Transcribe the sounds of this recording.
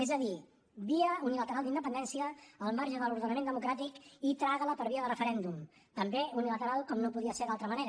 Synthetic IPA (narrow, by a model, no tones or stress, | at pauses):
ɛzəði | βiəunilət̪əɾalˠd̪ind̪əpənd̪ɛnsiəːlˠmaɾʒəðəluɾðənəmẽnd̪əmukɾat̪ikit̪ɾaɣələpəɾβiəðərəfəɾɛnd̪um | t̪əmbeunilət̪əɾalˠkɔmnopuðiəseɾd̪alˠt̪ɾəməneɾə